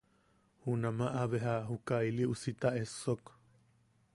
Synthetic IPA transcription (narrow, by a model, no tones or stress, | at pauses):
hunamaʔaβeɦaɦukajliusit̪aʔesok